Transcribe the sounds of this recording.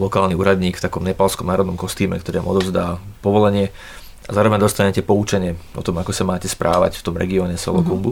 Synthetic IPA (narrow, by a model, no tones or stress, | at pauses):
lɔkaːlniuːɾad̪ɲiːkft̪akɔmɲɛpalskɔmnaːɾɔd̪nɔmkɔst̪iːmɛ̰kt̪ɔɾiːʋa̰mɔ̰d̪ɔʊzd̪aːpɔʋɔlɛɲɪɛ | azaːɾɔʋɛɲd̪ɔst̪aɲɛcɛpɔut͡ʃɛɲɪɛʔɔ̰t̪ɔmakɔsamaːcɛspɾʔa̰ːʋa̰cft̪ɔmɾɛ̰ɡiɔːɲɛsɔ̰lɔkumbu